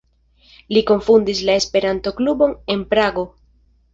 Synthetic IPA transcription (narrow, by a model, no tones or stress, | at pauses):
liko̞ɱfundis̬lae̞spe̞ɾanto̞klubo̞ne̞npɾaɡo̞